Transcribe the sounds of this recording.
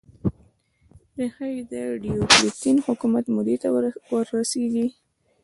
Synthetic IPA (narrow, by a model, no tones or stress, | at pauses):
ɾexajid̪əɖioklit̪inhʊkumat̪mʊd̪et̪awəɾːaseɡi